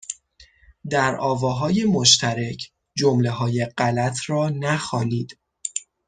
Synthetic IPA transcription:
d̪æɾʔɒːvɒːɦɒːje̞moʃt̪ʰæɾecʰ | d͡ʒomle̞ɦɒːje̞ɢælæt̪ʰɾɒːnæxɒːniːd̪̥

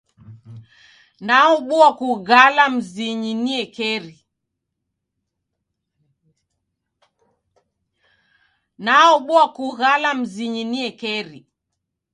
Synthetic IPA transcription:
naɔɓuakuɣalam̩ziɲiniɛkɛɾi | naɔɓuakuɣalam̩ziɲiniɛkɛɾi

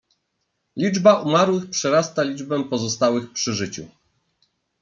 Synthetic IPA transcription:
lʲid͡ʐbaʔumaɾwɘxpʂɛɾast̪alʲid͡ʐbɛpɔzɔst̪awɘxpʂɘʐɘt͡ɕṵ

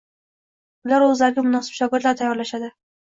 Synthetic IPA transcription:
ʊlaɾɵzlaɾɪɡʲamʊnɒsɪ̥b̥ʃɒɡʲɪɾd̪laɾt̪ʰajːɒɾlaʃad̪ɪ

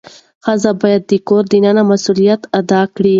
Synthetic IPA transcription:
xazabɑjad̪̚ːəkoɾd̪ənanamasulijat̪ad̪ɑkɽi

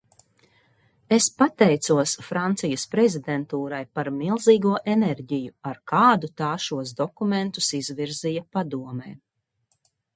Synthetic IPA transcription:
espat̪ɛjt̪suɔsfɾant̪sijɐspɾɛzid̪ɛnt̪uːɾajpaɾmilˠziːɡuɔʔenɛɾɟijuaɾkʰaːd̪ut̪aːʃuɔsd̪ɔkumẽnt̪u̥sizviɾzijɐpad̪uɔmɛj

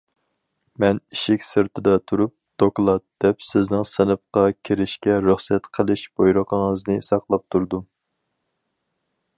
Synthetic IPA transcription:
mɛniʃɪkʲsɨɾt̪ʰɨd̪ɑt̪ʰuɾup̚d̪̥oklˠɑt̪̚d̪̥ɛpsɪznɨŋsɨnɨp̚qɑkʲʰeɾɪʃkʲɛɾyχsɛt̪qʰəlˠɨʃb̥ojɾoqʰəŋəznɨsɑqlˠɑp̚t̪ʰuɾd̪u

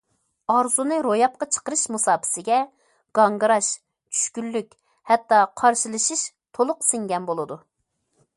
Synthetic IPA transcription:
ɑɾzunɨɾojɑp̚qɑt͡ʃʰə̥qəɾɨʃmusɑːpʰɪ̥sɪɡʲɛ | ɡ̥ɑŋɡəɾɑʃ | t͡ʃʰy̥ʃkʲylːykʲ | hɛt̪ːɑqʰɑɾʃilˠɨʃiʃ | t̪ʰolˠʊqsɪŋɡʲɛnbolˠɨd̪u

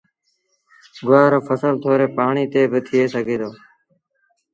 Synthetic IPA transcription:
ɡʊʋaːɾoːfəsəlt̪ʰoːɾeːpaːɳiːt̪eːbɪt̪ʰɪjeːsəɡʱeːd̪oː

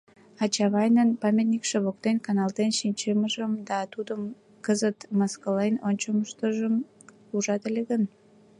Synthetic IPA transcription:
ɑt͡ɕɑβɑjnənpɑmʲet̪̚nʲikʃəβok̚t̪enkɑnɑld̪enʃinʲt͡ɕeməʒəmd̪ɑt̪ud̪əm | kəzət̪məskəlenonʲt͡ɕəməʃt̪əʒəm | uʒɑt̪elʲeɣən

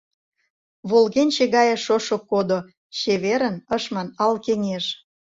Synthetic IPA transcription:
βolɣenʲt͡ɕeɣɑjĕʃoʃokod̪o | ɕeβeɾənəʃmɑnɑlkeŋeʃ

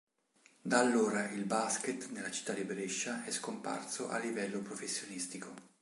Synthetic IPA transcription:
d̪alːoːɾailbasket̪nelːat͡ʃi̥t̪ːad̪ibɾeʃːaɛskompa̰rsoʔa̰lːivɛlːopɾofesːjonist̪iko

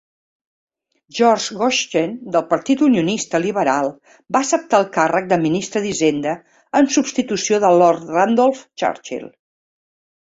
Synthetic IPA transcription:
ʒɔɾʒɣɔʃt̪end̪əlˠpəɾt̪it̪uniunist̪əliβəɾalˠ | baəsəp̚t̪aəlˠkarək̚d̪əminist̪ɾəðizend̪ə | ənsubst̪it̪usioðəlɔɾt̪rand̪ɔlˠft͡ʃa̰ɾt͡ʃḭl

